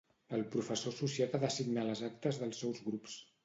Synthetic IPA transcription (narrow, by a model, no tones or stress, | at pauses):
əlˠpɾufəsosusiat̪aðəsiɡnaləzak̚t̪əzðəlˠsːɛwzɣɾups